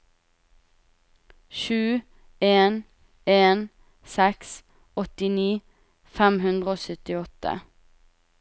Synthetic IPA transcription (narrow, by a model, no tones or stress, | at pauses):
ʃʉː | eːn | eːn | sɛks | ɔt̪ɪniː | fɛmhʉnd̪ʁəoːsœt̪ɪɔt̪ə̰